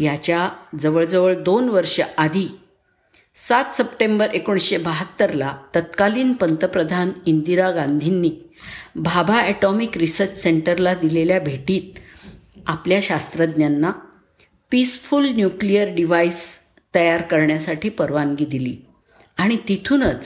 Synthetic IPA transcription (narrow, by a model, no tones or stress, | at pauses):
jat͡ɕjad͡zəʋəɭd͡zəʋəɭd̪onʋəɾʂəʔad̪ʱi | sat̪səpʈembəɾekuɳ̃ɕebəɦət̪ːəɾlat̪ət̪kaliːnpənt̪əpɾəd̪ʱanind̪iɾaɡãnd̪ʱinːiː | bʱabʱaɛʈɔmikɾisəɾt͡ɕseɳʈəɾlad̪ileljabʱeʈiːt̪̚ | apljaɕast̪ɾəd̪njanːa | pisfulnjuklijəɾɖiʋajs | t̪əjaɾkəɾɳjasaʈiːpəɾʋanɡid̪ilḭː | aɽ̃it̪it̪ʰuːnət͡s